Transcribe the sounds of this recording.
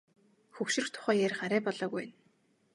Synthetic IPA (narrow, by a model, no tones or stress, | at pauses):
xɵwʃɪ̆r̆xt̪ʰʊ̥χæːjerχaɾæːpɔɮɔːɣujn